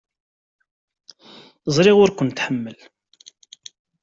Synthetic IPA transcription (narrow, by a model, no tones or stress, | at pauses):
zˤɾiʁʊɾkʷʊnt̪ħəmːəl